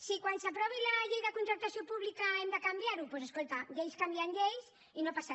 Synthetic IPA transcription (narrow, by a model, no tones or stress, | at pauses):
sikwansapɾɔβilaʎejðakunt̪ɾaɾt̪asjopuβlikaemd̪əkambjaɾupwoseskolt̪aʎejskambiaŋʎejs | inopasa